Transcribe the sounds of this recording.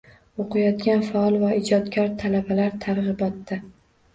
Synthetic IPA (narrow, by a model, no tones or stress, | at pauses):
oqʰɨjɒt̪ɡʲanfaɒlˠvaɪd͡ʒɒd̪ɡʲaɾt̪ʰalabalaɾt̪ʰaɾʁɨbɒt̪ːa